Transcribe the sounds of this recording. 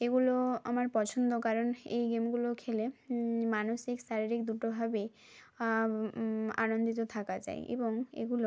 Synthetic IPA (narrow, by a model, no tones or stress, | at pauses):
eɡuloa̰maɾpɔt͡ɕʰond̪okaɾonejɡemɡulokʰelemanoʃikʃaɾiɾikd̪uʈobʱabe | a̰nond̪it̪̬ot̪ʰakad͡ʑa̰j̰ʔḛboŋḛɡulo